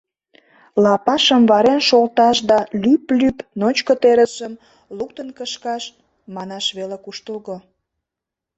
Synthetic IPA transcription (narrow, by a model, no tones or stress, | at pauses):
lɑpɑʃəmβɑɾenʃolt̪ɑʃd̪ɑlyplypnot͡ɕkot̪eɾəsəm | luk̚t̪ənkəʃkɑʃ | mɑnɑʃβelekuʃt̪əlɣo